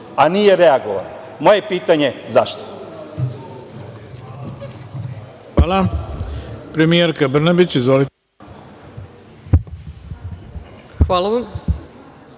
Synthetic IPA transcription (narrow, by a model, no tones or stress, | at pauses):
anijeɾe̞aɡoʋa̰le | moje̞piːt̪aɲe̞zaʃt̪o̥ | xʋaːla | pɾe̞mijeɾkabr̩nabit͡ɕizʋolit̪e | xʋalˠaʋam